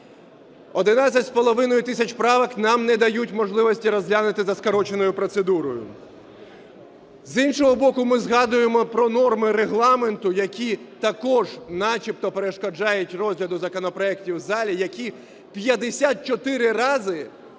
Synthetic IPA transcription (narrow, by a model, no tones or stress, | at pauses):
ɔd̪ɪnasʲɐtʲspɔlˠɔʋɪnɔjʊt̪ɪsʲɐt͡ʃpɾɑʋɐknɑmnɛd̪ɐjutʲmɔʒlˠɪʋɔsʲtʲiɾɔzʲɦlʲanɪt̪ɪzɐskɐɾɔt͡ʃenɔjʊpɾɔt̪sed̪uɾɔjʊ̰ | zinʃɔɦɔbɔkʊmɪzɦɑd̪ʊjemɔpɾɔnɔrmɪɾeɦlˠɑment̪ʊjɐkʲit̪ɐkɔʒnɑt͡ʃʲipt̪ɔpeɾeʃkɔd͡ʒɑjʊtʲrɔzʲɦlʲɐd̪ʊzɐkɔnɔpɾɔɛktʲiwzɑlʲijɐkʲi | pʲjɐd̪esʲat̪̚t͡ʃɔt̪ɪɾɪrɑzɪ